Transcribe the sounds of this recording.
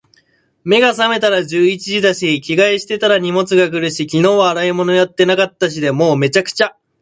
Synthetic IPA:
me̞ɡasame̞t̪aɾaʑɨːit͡ɕiʑid̪aɕikʲiɡaiɕi̥t̪e̞t̪aɾaɲ̟imo̞t͡sɨɡakɯ̟ɾɯ̟ɕikʲino̞ːβaːɾaimo̞no̞jat̪ːe̞nakat̪ːaɕ̬id̪e̞mo̞ːme̞t͡ɕakɯ̟̥t͡ɕa

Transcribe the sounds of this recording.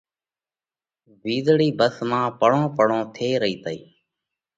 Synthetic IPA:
ʋiːzɽiːbəsmãːpəɽõːpəɽõːt̪ʰeːɾəiːt̪əiː

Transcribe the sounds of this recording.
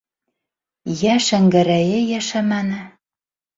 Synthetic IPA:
jæʃæŋɡɘ̆ɾæjejæʃæmænɘ̆

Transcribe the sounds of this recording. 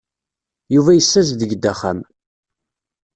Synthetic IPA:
juvæjəsːæz̬ðəɡd̪ːæχa̰m

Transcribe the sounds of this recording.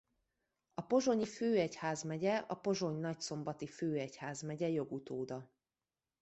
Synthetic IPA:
ɒpo̞ʒo̞ɲiføːɛchaːzmɛɟɛɒpo̞ʒo̞ɲnɒcso̞mbɒt̪iføːɛchaːzmɛɟɛjo̞ɡut̪oːd̪ɒ

